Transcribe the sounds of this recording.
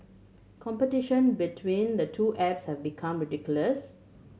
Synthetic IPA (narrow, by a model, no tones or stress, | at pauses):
kʰɔ̃mpətɪʃə̃nbitʰwĩnd̪ətʰuːʔɛpshɛvbikʰãmɹɪɖikjʊləs